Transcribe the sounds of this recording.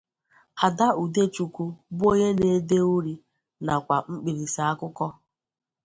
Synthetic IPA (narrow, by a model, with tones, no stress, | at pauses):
a˨da˦u˨de˦t͡ʃu˨ku˨bo˦ɲe˦ne˨˦de˦u˦ɾi˨ | na˨kʷa˨ŋ͡m̩˦k͡pi˨ɾi˨sa˨a˦kʊ˦kɔ˦